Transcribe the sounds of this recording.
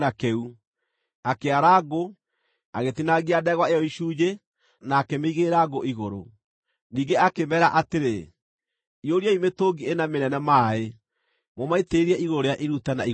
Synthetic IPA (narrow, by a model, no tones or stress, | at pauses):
nakɛu | akeaɾaɡo | aɣetinaɣiadɛɣwaejɔiʃuːd͡ʒe | naːkemeiɣeɾaːɡoʔiɣoɾo̰ | niːɡeakemɛɾaʔateɾe | ioɾiaimetoɡienamenɛnɛmaːe | momaiteɾiɛʔiɣoɾoɾeaʔiɾutanai